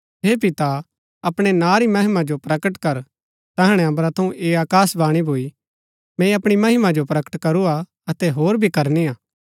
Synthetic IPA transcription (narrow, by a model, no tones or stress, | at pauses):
ɦeːpɪt̪a | ɐpɽ̃enãːɾimɐɦɪmad͡ʒopɾɐkəʈkɐɾ | t̪ɐɦəɽ̃eɐ̃mbɾat̪ʰɐ̃ũʔeːaːkaːsbaːɽ̃ibʱoːi | mɛ̃iɐpɽ̃imɐɦɪmad͡ʒopɾɐkə̥ʈkɐɾua | ɐt̪ɛɦoːɾbʱikɐɾniaː